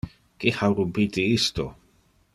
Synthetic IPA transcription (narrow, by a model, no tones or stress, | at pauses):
kihawɾubitiist̪o